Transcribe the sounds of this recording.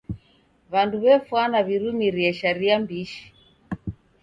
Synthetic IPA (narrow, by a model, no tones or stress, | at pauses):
βanduβɛfwanaβiɾumiɾiɛʃaɾiambiʃi̥